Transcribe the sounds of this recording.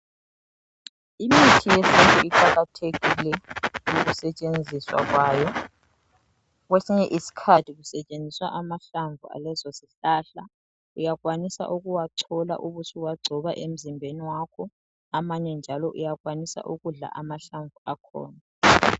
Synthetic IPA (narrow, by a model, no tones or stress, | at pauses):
imitʰijesintʼuiǃaɣatʰeɣilɛjoɣusɛt͡ʃʼend͡zʱiswa̰ɣwaːjɔ | ɣwesiɲɛʔisi̥kʰatʰiɣusɛt͡ʃʼend͡zʱiswa̰ʔamaɬaɱvua̰lɛzɔsiɬaːɬa | ujaɣwanisa̰ʔuɣuwaǀʰɔla̰ʔuβusuwaɡ͡ǀʱɔβaʔem̩zimbʱeniwakʰɔ | amaɲɛnd͡ʒʱalɔʔṵjaɣwanisa̰ʔuɣuɮa̰ʔamaɬaɱvʱuakʰɔ̰ːna